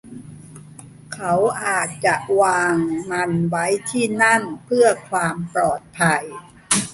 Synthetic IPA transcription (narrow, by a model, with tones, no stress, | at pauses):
kʰa˦˥wʔaː˨˩t̪̚t͡ɕa˨˩ʔwaː˧ŋna˧nwa˦˥jt̪ʰiː˥˩na˥˩npʰɯ˥˩ɐkʰwaː˧mpɾɔː˨˩t̪̚pʰa˧j